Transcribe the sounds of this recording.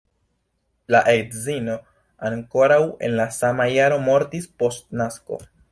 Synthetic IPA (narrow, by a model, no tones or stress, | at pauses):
laʔetzino̞ | aŋko̞ɾawe̞̰nlasamajaɾo̞mo̞ɾtispo̞stnasko̞̰